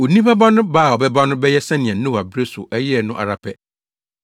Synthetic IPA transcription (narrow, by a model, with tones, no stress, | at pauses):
o˨nĩ˦ba˦ba˦nʊ̃˦baː˦˨ɔ˨bɛ˦ba˦nʊ̃˦bɛ˦jɛ˦sɛ̃˦nɪ̃˨ɛ̃˨n̩˦nʊ̃˦wa˨bɾe˦sʊ̰˨ʔɛ˦jɛ˦ɛ˦˨nʊ̃˦ʔa̰˨ɾa˨pʰɛ˦